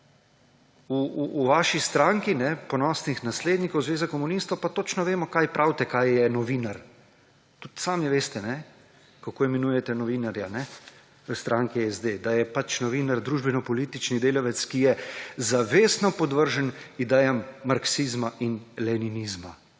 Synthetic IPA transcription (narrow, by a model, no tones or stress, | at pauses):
uʋaːʃist̪ɾaŋkinɛpɔnɔːsnixnasleːd̪nikowzʋeːzakɔmunist̪ɔwpat̪ot͡ʃnɔʋeːmɔkaːjpɾʔawt̪ɛkaːjjɛnɔʋiːnaɾ | t̪ut̪saːmiʋeːst̪ɛnɛ | kakoːɛmɛnuːjɛt̪ɛnɔʋiːnaɾjanɛ | əst̪ɾaːŋkiɛzd̪ed̪ajɛpat͡ʃnɔʋiːnaɾd̪ɾuːʒbɛnɔpɔliːt̪it͡ʃnid̪eːlɔʋɛt̪skijɛzaʋeːsnɔpɔd̪ʋəɾʒənid̪ɛːjamːaɾksizmaʔinlɛninizma